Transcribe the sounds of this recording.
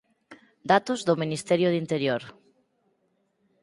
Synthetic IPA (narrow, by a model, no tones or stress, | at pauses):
d̪at̪ozðominist̪ɛɾjoðint̪eɾjoɾ